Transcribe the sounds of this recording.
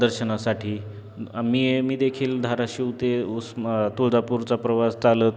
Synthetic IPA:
əɾɕənasaʈʰiː | miːemiːd̪ekʰiːld̪ʱaɾaɕiwt̪eust̪ud͡z̪apuɾt͡sapɾəʋast͡salət̪̚

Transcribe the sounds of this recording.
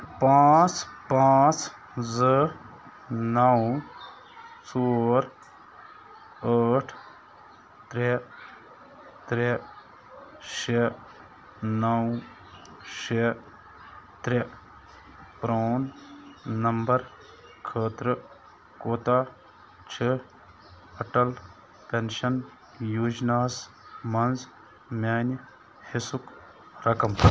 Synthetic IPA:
pãːt͡spãːt͡s | zə | nɐw | soːɾ | əːʈʰ | t̪ɾe | t̪ɾe | ʃe | nɐw | ʃe | t̪ɾe | pɾoːn | nɐmbɐɾ | kʰəːt̪ɾɨ | koːt̪aː | t͡ʃʰe | ɐʈɐl | pʲenʃɐn | juːd͡ʒnaːs | mɐnz | mʲaːn | hisuk | ɾɐkɐm

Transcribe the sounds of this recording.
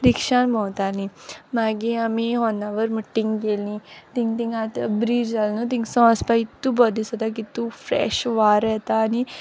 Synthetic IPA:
ɾikʂanbɔ̃wt̪alĩmaɡiamiɦɔnːaʋəɾməʈːĩŋɡkelĩːt̪ĩŋɡt̪ĩŋɡãt̪bɾiːd͡ʒalnũt̪̬ĩŋɡsɔ̃əspait̪ːubɔd̪isɔt̪ak̬it̪ufɾɛ̰ːʃʋaːɾɛɦt̪aːni

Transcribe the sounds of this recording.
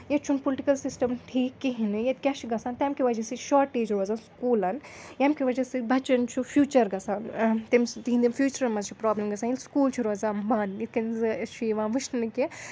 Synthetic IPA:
jɐt͡ʃʰumpolʈikɐlsisʈɐmʈʰiːkːiɦinɨjɐt̪kʲɐʃiɡɐsaːnt̪ʲɛmkʰiʋɐd͡ʒɐsiʃɔːɾʈːeːd͡ʒɾoːzaːnskuːlɐnjɐmkʰʲiʋɐd͡ʒɐsibɐt͡ʃɐnt͡ʃʰufjuːt͡ʃɐɾɡɐsaːnt̪imst̪iɦind̪imfjuːt͡ʃɐɾmɐzt͡ʃʰipɾaːblemɡɐsʰaːnilskuːlt͡ʃʰuɾozãːmbaːnjit̪kɐnzɨt͡ʃʰiʋãːʋɨʃnɨnɨki

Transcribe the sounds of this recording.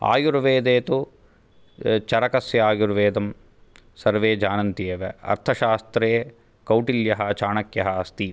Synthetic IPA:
a̰ːjuɾʋeːd̪eːt̪u | t͡ʃɐɾɐkɐsjɐaːjuɾʋeːd̪ɐm | sɐɾʋeːd͡ʒaːnɐnt̪ijeːʋeɐ̰ɾt̪ʰɐʃaːst̪ɾeː | kɐwʈiljɐɦɐt͡ʃaːɳɐkjɐɦɐːst̪i

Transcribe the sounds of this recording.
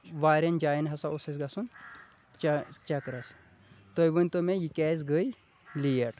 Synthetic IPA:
ʋaːɾʲɐnd͡ʒaːjnɦɐsaosɐsɡɐsun | t͡ʃɐkɾɐs | t̪ojbɐnʲt̪omejikʲɛz̬ɡəj | lijɐʈ

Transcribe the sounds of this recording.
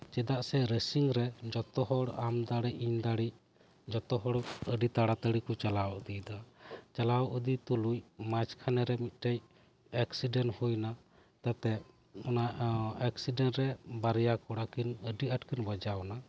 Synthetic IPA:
t͡ʃɛd̪aʔsɛɾəsiŋɾɛd͡ʒɔt̪ɔɦɔɽamd̪aɽiʔiɲd̪aɽi | d͡ʒɔt̪ɔɦɔɽəɖit̪aɽat̪əɽikɔt͡ʃalawɔʔd̪id̪at͡ʃalawɔʔud̪it̪ulujmat͡ʃkʰanɛɾɛmit̪̚ˀʈɛj | ɛksiɖɛnhujna | t̪at̪ɛ | ɔnaʔɛksiɖɛnʈɾɛbaɾjakɔɽakinəɖiʔəʈkinbəd͡ʒawna

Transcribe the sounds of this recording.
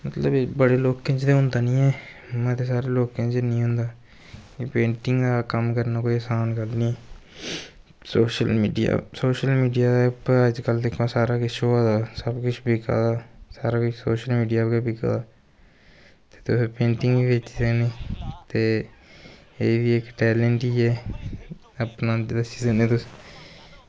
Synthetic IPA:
mət̪ləbbəɽeːloːkẽːt͡ʃt̪eːɦʊnd̪aːnĩːɛː | mɛ̃ːt̪eːsaːɾeːloːkẽːt͡ʃenĩːɦʊ̃nd̪aː | kipẽːɳʈɪŋɡd̪aːkəmkəɾnaːkoːiəːsaːnkəlnĩː | soːʃəlmiːɖija̰ːsoːʃəlmiːɖijaːd̪apəd͡ʒkəld̪ekʰːãːsaːɾaːkɪt͡ʃʰoːaːd̪aːsəbkʊt͡ʃʰbɪkʰa̰ːd̪aːsaːɾaːkʊt͡ʃsoːʃəlmiːɖijaːkabɪka̰d̪aː | t̪e̥ːt̪ʊspẽːɳʈɪ̃ŋɡʋiːʋet͡ʃːd̪enẽːt̪eː | eːʋieːkʈɛːlɛɳʈiːɛː | əpnaːd͡ʒed̪aːsizənɛ̃ːt̪ʊs

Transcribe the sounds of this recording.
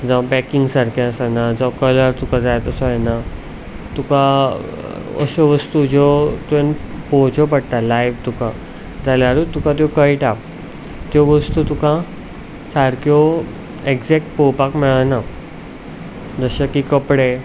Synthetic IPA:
d͡zabɛkiŋɡsaɾkʰiəsanad͡zɔkələɾt̪ukãd͡zajt̪əsɔjɛna | t̪ukã | ə̰sɔʋəst̪ud͡ʑɔt̪ẽnpɔt͡ɕʰɔpəɽt̪alajʋt̪ukã | d͡zaljaɾut̪ukãt̪̬jokəiʈa | t̪joʋəst̪ut̪ukã | saɾkjɔ | eɡd͡zɛk̚ʈ̚powpakmɛɭana | d͡zəɕakikəpɽe

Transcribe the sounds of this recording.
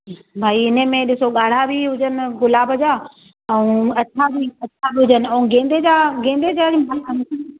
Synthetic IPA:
bʱaːiɪnə̆mẽɗɪsoɠaːɽ̤abʱiɦʊd͡ʑənɪ̆ɡʊlaːbʱɐd͡ʑaː | ɛũɐt͡ɕʰabʱiɐt͡ɕʰabʱiɦʊd͡ʑənɪɐũɡẽːnd̪ed͡ʑaɡẽːnd̪ed͡ʑaɾĩmaãn

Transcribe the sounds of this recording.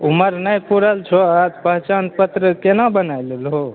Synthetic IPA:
uməɾnəjpuɾəlt͡ʃʰoad͡ʒ̪pəɦt͡ʃanpət̪ɾəkenabənajlelɦo

